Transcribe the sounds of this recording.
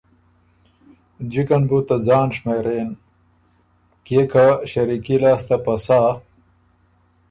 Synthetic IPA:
d͡ʑikɐnbut̪ɐd͡zaːnʂmeɾeːn | kekaɕɐɾikilaːst̪apɐsaː

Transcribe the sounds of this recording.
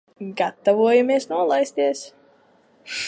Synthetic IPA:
ɡat̪ːavuɔjamiɛsnuɔlˠajst̪ʲiɛs

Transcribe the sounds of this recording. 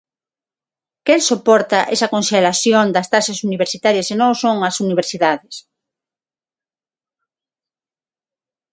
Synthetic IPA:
kelsopɔɾt̪ɐʔesɐkõnʃelaθjond̪ɐst̪aʃɐsuniβeɾsit̪aɾjɐsenõŋosõŋɐsuniβ̞eɾsiðaðɪs

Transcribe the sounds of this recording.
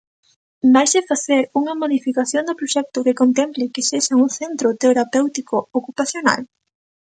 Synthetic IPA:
bajsefaθeɾuŋɐmoðifikaθjond̪ʊpɾoʃɛk̚t̪ʊkekont̪emplɪkeseʃaŋuŋθent̪ɾʊt̪eɾapewt̪ikʊokupaθjona̰l

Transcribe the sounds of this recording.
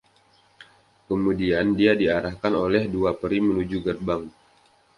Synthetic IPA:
kəmudiandiadiaɾahkanolɛhduapəɾimənud͡ʒuɡərbaŋ

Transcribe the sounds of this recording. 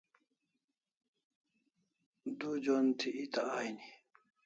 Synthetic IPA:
d̪ud͡ʒɔnt̪ʰiʔːt̪aajni

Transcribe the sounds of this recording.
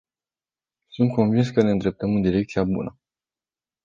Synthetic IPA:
sunt̪̚ko̞nvinskəne̞ɨnd̪ɾe̞p̚t̪əmɨnd̪iɾe̞k̚t̪siabṵnə

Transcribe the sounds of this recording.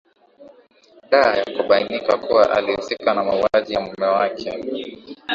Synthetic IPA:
ɗaːjakuɓainikakuwaʔa̰lihusikanamauaʄijamumɛwakʰɛ

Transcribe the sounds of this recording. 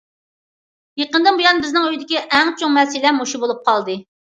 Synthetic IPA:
jeqənd̪ɨnbujɑnbɪznɪŋøjd̪ɪkʲiʔɛŋt͡ʃʰoŋmɛsɪlɛmoʃubolˠup̚qʰɑlˠd̪ɨ

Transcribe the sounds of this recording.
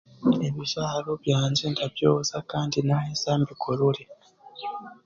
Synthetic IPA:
e̞βiʒaːɾo̞βjaːɲd͡ʒe̞ndaβjoːzakaːndinaesaːmbikʰoɾule

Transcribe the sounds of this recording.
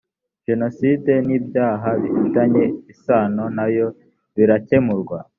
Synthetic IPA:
ʒe̞no̞side̞niːbjaːɦaβihutaɲe̞isaːno̞najo̞ | βiɾace̞muɾɡwa

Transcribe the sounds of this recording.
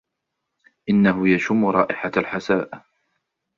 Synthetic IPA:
ʔɪnːaɦʊjaʃʊmːʊɾˤɑːʔɪħalħasaːʔ

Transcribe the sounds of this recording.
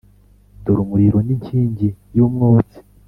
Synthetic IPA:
doɾumuɾiɾoniɲciːɲɟijumŋoːt͡si̥

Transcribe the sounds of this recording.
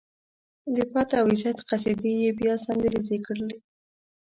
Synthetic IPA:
d̪əpɑt̪aawɪzjat̪qas̬ed̪ijebjɑsand̪əɾizekəɽəle

